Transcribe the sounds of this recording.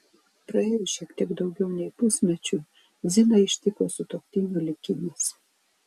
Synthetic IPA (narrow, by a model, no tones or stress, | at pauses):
pɾɐeːjʊʃʲiɛkt̪ʲiɛɡd̪ɒʊɡʲɛʊnʲɛɪpʊsʲmʲɛt͡ʃʲʊ | zʲɪnɐɪʃʲt̪ʲɪkoːsʊt̪oːkʲt̪ʲɪnʲulʲɪkʲɪnʲɪs